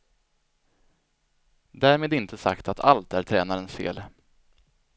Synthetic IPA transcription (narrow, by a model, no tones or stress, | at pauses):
d̪æːɾmeːd̪ɪnt̪ʰəsa̰kt̪at̪ʰa̰lt̪æɾʈʰɾɛːnaɾənsfḛːl